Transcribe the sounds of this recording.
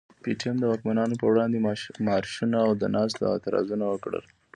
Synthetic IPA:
piʈiamd̪əwɑkmanɑnopəwɽɑnd̪emɑɾʃunaːwd̪ənɑst̪a̰a̰t̪aɾɑ̰zunawəkɽə̰l

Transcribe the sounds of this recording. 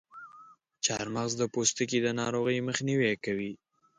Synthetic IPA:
t͡ʃɑɾmaɣzd̪əpost̪əkid̪ənɑɾoɣəjməxniwekawi

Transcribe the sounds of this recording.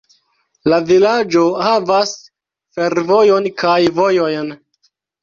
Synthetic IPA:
lavilad͡ʒo̞havas | fe̞ɾvo̞jo̞nkʰajvo̞jo̞jn

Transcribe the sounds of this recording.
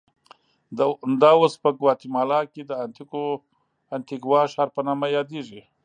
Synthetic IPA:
d̪awospəɡwɑt̪imɑlɑked̪əant̪iko | ant̪iɡwɑʃaɑːɾpənɑmajɑd̪eʒi

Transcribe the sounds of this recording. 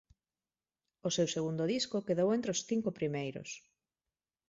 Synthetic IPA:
ʊsewseɣund̪ʊðiskokeðowẽnt̪ɾeosθiŋkʊpɾimejɾʊ̰s

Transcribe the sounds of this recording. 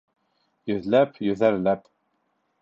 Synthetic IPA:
jɵðlɛpjøðæɾlæp

